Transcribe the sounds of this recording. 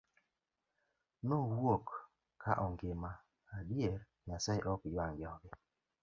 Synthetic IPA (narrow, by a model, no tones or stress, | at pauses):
nɔwwok | kːaʔɔŋɡɪmaː | dieɾ | ɲasaiʔɔkjwaŋɡɪɔɡɪ